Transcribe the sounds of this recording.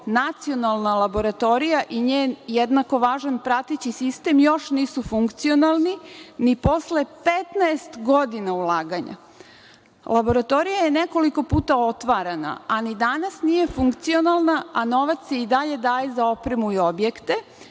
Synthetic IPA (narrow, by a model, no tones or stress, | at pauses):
nat̪sio̞nalˠnalabo̞ɾat̪o̞ɾijaʔiɲeːnjed̪nako̞ʋaːʒanpɾat̪et͡ɕisist̪e̞mjo̞ʃniːsufuŋkt̪sio̞nalˠninipo̞sle̞pet̪naest̪ɡo̞d̪inaulˠaːɡaɲa̰ | lˠʔabo̞ɾat̪o̞ɾijaje̞ne̞ko̞liko̞puːt̪ao̞t̪ʋaɾana̰anid̪anasnije̞fuŋkt̪sio̞nalˠnaano̞ʋat̪se̞id̪aʎe̞d̪aːje̞zao̞pɾemuio̞bjekt̪e̞